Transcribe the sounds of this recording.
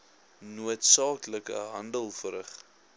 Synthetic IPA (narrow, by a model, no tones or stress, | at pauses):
nuətsɑːkləkə̰ɦɐndəlˠfəɾəχ